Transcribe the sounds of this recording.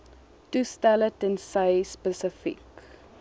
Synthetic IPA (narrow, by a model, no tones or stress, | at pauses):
tustælətənsəjspəsəfḭk